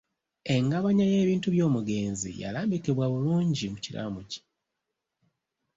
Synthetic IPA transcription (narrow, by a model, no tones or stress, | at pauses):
e̞ŋɡaβaɲaje̞ːβiːntuβjo̞ːmuɡe̞ːnzḭja̰laːmbikiβwaβuluːɲɟimuciɾa̰muci̥